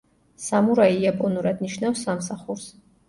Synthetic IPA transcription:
samuɾaiapʼɔnuɾad̪niʃnafsːamsaχuɾs

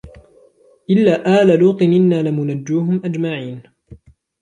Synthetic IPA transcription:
ʔɪlːaːʔaːlaluːt̪ˤɨnʔɪnːaːlɪmʊnad͡ʒːuːɦʊmʔad͡ʒmaʕiːn

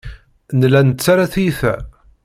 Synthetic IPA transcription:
nlænət͡sːaɾaθijθæ̰

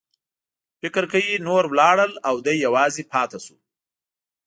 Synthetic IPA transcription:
fɪkɾkajinoɾwlɑɽəlawd̪ajːawɑzepʰɑt̪asu

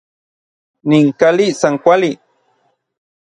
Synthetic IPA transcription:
niŋkalisaŋkʷali

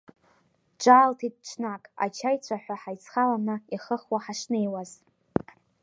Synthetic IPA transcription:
ʈ͡ʂʼaːltʰid̚t͡ʃʷʰnakʼa̰t͡ʃʰajt͡ɕʷʰaħʷᶣaħajt͡sʰχalanaiχəχwaħaʂnejwaz

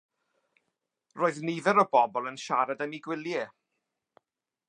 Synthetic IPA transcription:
roːɨðniðɛɾɔbɔbɔlˠənʃaɾadamiɡwɪlˠjɛ

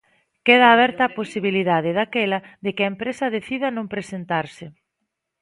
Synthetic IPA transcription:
keðaːβɛɾt̪ɐːposiβiliðaðɪðakɛlɐðekɪɐempɾesɐðeθiðɐnõmpɾesent̪aɾsɪ

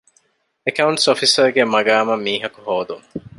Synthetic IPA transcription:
ekɐuɳʈsofisɐɾɡemɐɡaːmɐmːiːɦɐkuɦoːd̪um

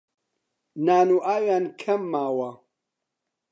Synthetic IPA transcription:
naːnuʔaːjaːnkʰɐmːaːwɐ

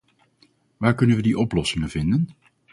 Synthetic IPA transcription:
ʋaːɹkɵnənʋədiʔɔplɔsɪŋənvɪndən

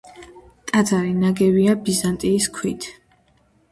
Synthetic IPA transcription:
t̪ʼad̪zaɾinaɡɛviabizant̪ʼiːskʰwit̪ʰ

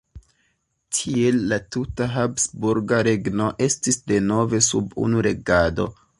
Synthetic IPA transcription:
tʰie̞lːatutaɦabsbuɾɡaɾe̞ɡno̞ʔe̞stisde̞no̞ve̞subṵnuɾe̞ɡado̞̰

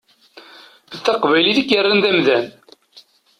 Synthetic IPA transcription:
əθːɑqvæjliðikːərːənðæmðæn

